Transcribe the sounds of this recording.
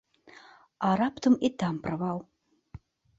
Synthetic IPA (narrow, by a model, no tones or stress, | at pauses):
aɾapt̪ʰɨmit̪ʰampravaw